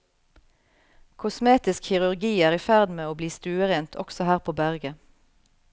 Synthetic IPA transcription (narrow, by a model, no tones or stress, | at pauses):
kʰʊsmeːt̪ɪskçɪʁʉʁɡiːæːʁiːfæʁd̪meːoːbliːst̪ʉːəʁeːnt̪ʰɔ̰ksɔhæːʁpʰoːbæʁɡə